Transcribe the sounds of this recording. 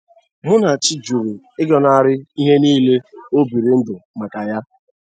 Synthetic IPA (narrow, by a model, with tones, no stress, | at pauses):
mʊ˦na˨t͡ʃi˦d͡ʒu˨ɾe˨ | ɪ˦ɡɔ˨na˦a˨ɾɪ˦i˦ɦe˦niː˦le˦o˦bi˨ɾe˨n̩˦dʊ˨ma˨ka˨ja˦